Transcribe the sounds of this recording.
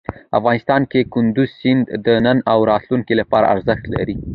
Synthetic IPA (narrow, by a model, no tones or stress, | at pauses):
afɣɑnɪst̪ɑnkekʊnd̪ʊzsɪnd̪d̪ənənawɾɑt̪luŋkilapɑɾa̰ʔaɾzəxt̪la̰ɾi